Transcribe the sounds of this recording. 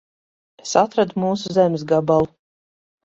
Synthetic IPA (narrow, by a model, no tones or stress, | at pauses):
esat̪ɾad̪umuːsuzɛmʲs̬ɡabalˠu